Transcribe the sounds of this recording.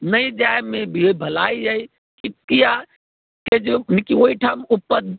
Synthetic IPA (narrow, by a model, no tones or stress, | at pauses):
nəid͡ʒajmebʱibʱəlaid͡ʒai | kikija | ked͡ʒenikioiʈʰaːmupːəd̪